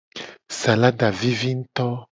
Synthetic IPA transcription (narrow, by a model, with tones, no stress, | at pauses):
sa˨la˦ɖa˨vi˦vi˦ŋ̩˦t̪ɔ˦